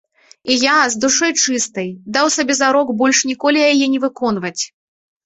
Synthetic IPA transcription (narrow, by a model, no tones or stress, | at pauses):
ijazd̪uʂɔjt͡ʂɨst̪ɐjd̪awsabʲɛzaɾɔkbɔlʲʂnʲikɔlʲijajɛnʲɛvɨkɔn̪vɐt͡sʲ